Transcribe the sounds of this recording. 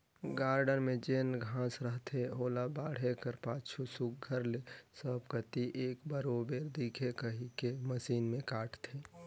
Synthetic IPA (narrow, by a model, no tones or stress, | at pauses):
ɡaːɾɖəɾmẽd͡ʒeːnɡʱãːsɾəɦt̪ʰeɦoːlabaːɽ̤ekəɾpaːt͡ʃʰusuk̚ɡʱəɾlesəbkət̪iʔeːkbəɾoːbeːɾd̪iːkʰekəɦikeməsiːnmẽkaːʈʰt̪ʰeː